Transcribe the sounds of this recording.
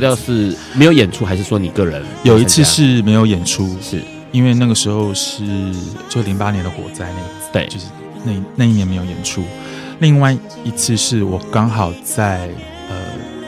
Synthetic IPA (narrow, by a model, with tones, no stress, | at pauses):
jɑ˥˧ʂɻ̩˥˩me˧˥ɪjo˧˥ʊjɛ˨˩nʈ͡ʂʰu˥xa˧ɪʂɻ̩˥˩ʂwɔ˥ni˨˩kɤ˥˩ɻə˧˦njo˨˩ʊi˥t͡sʰɹ̩˥˧ʂɻ̩˥˩me˧˥ɪjo˧˥ʊjɛ˨˩nʈ͡ʂʰu˥ʂ̩˥˩ | i˥nwe˥˧ɪna˥˩ɡə˩ʂɻ̩˧˥xo˥˧ʊʂɻ̩˥˩˧t͡ɕjo˥˧ʂ̩˥˩li˧˥ŋpa˥njɛ˧˦nd̪ə˨xwɔ̰˨˩t͡sa˥˧ɪna˥˩ɡ | t̪wḛ˥˧˩t͡ɕo˥˧ʂɻ̩˥˩ | na˥˩na˥˧ɪi˥˩jɛ˧˥nme˧˥ɪjo˧˩ʊjɛ̰˨˩nʈ͡ʂʰu˦˥ | li˥˧ŋwa˥˩ɪ | i˧˥t͡sʰɹ̩˥˧ʂɻ̩˥˩wɔ˨˩kɑ˥ŋxɑ˨˩ʊt͡sa˥˩ɪ | ə̰˧˩